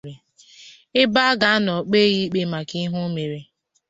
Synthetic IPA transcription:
ɾe˨ | ɪ˦ba˦ɡa˦a˦nɔ˨k͡pe˦ɣi˦k͡pe˦ma˨ki˦ɦʊ˦me˨ɾe˨

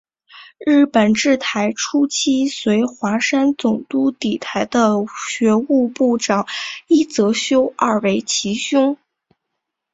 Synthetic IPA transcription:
ɻɻ̩˥˩pə˨˩nʈ͡ʂɻ̩˥˩t̪ʰa˧˥ɪʈ͡ʂʰu˥t͡ɕʰi˥swe˧˥ɪxwa˧˥ʂa˥nt͡sʊ˨˩ŋt̪u˥t̪i˨˩t̪ʰa˧˥ɪd̪ə˧ɕɥɛ˧˥u˥˧pu˥˩ʈ͡ʂɑ˨˩˦ŋi˥t͡sɤ˧˥ɕjo˥ʊa˥˩we˧˥˩ɪt͡ɕʰi˧˥ɕjʊ˥ŋ

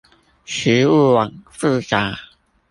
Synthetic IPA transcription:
ɕy˧˥u˥˧wɑ˨˩ŋs̩˥˧ka˨˥˦

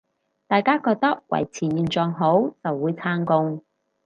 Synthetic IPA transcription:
t̪aː˨jkaː˥kɔː˧k̚t̪ɐ˥k̚wɐ̰˨˩jt͡sʰiː˨˩jiː˨˩nt͡sɔː˨˧ŋɦo˨˥wt͡sɐ˨wːuː˨˧jt͡sʰaː˧ŋkʊ˧ŋ

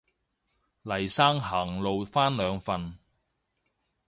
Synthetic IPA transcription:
lɐ˨˩jsaː˥ŋɦɐ˨˩ŋlo˨wfaː˥nlœː˨˧ŋfɐ˨n

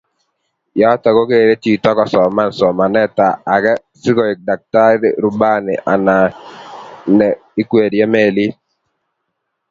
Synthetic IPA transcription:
ja˦ta˨ko˦ke˦˨ɾe˦tiː˦˨tɔ˦kɔ˨sɔ˨ma˦n̩˨sɔ˨ma˨nɛ˦˨ta˨a˨ɡɛ˦ | si˦kɔ˨i˨k̚da˨k̚ta˦ɾi˨ɾu˨ba˦˨nḭ˨ʔa˨na˨ | nɛ˨ | i˦kwe˨djɛ˦me˦˨li˦

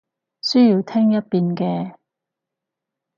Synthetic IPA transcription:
sɵ˥jiː˧wt̪ʰɛ˥ŋjɐ˥t̚piː˧nkɛː˧

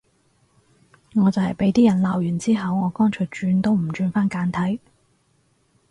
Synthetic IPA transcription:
ŋɔː˨˧t͡sɐ˨whɐ˨jpe˨˥jt̪iː˥jɐ˨˩nlaː˨wjyː˨˩nt͡siː˥ɦɐ˨wŋɔː˨˧kɔː˥nt͡ʃʰɵ˨˧˩t͡ʃyː˨˧nt̪o˥wm̩˨˩t͡ʃyː˧nfaː˥nkaː˨˥nt̪ʰɐ˨˥j

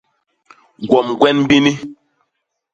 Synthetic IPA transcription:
ɡɔ˨mɡwɛ˦nm˦bi˦ni˦

